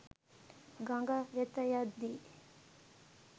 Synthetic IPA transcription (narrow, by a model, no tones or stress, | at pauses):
ɡaŋɡawet̪ːajad̪i